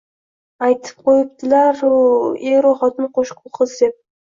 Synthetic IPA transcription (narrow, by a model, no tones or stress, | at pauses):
ɑjt̪ʰɯ̥p̚qojup̚t̪ɨlˠɑɾeɾoχɑt̪ɨnqʰoʃqulˠqʰəzd̪ep̚